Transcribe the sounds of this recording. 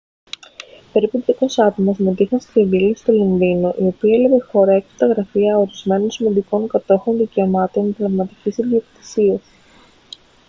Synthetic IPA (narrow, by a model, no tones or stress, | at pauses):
pe̞ɾiput̪jɐko̞sɐt̪omɐsmet̪ixɐnsk̪evilest̪o̞lonðino̞ʔio̞piɐelɐve̞xo̞ɾɐekt̪ɐɣɾɐfiɐo̞ɾizme̞no̞nsimɐnd̪iko̞ŋkɐt̪o̞xo̞nðice̞omɐt̪o̞nd̪levmɐt̪icisiðio̞kt̪i̥siɐs